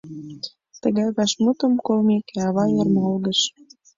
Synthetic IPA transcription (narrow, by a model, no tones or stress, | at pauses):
t̪ə̆ɣɑjβɑʃmut̪ə̆mkolmekeɑβɑjɤrmolɣə̆ʃ